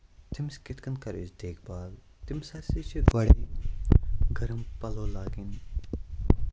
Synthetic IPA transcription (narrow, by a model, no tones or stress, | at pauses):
t̪ɪmskɪt̪kɐnkɐɾisd̪eːkʰbaːl | t̪ɪmsaːsit͡ʃʰiʋɐɽeː | ɡɐɾəmpɐloːlaːɡɪn